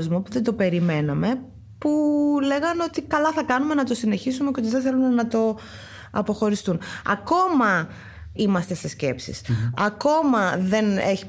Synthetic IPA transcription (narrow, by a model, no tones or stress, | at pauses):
zmopuðe̞nd̪o̞pe̞ɾime̞nɐme̞ | pule̞ɣɐno̞t̪ikɐlɐθɐkɐnume̞nɐt̪o̞sine̞çisumeceot̪iðeθe̞lumenɐt̪o̞ | ɐpo̞xo̞ɾist̪unɐ̰ko̞mɐ | imɐst̪e̞se̞sce̞psḭsɐko̞mɐðe̞neçi